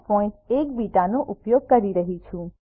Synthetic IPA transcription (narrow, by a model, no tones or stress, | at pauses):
pɔ̃ĩʈekbiʈanoʔupjoɡ̚kəɾiɾəɦit͡ʃʰũ